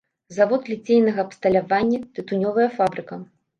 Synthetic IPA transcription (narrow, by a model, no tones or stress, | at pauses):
zavɔt̪lʲit͡sʲejnɐɣɐːpst̪ɐlʲavanʲːɐt̪ɨt̪unʲɔvɐjɐfabɾɨkɐ